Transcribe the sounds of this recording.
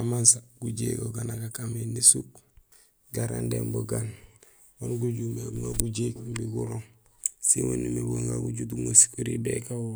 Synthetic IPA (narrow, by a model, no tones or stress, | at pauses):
amansaɡuɟeɡoɡanakakamenisuk | ɡaɾa̰ndemboɡan | wonɡuɟumeɡuŋaɡuɟekmbiɡuɾoŋ | siwunimeboŋɡaɡuɟutuŋosi̥kuɾibekawu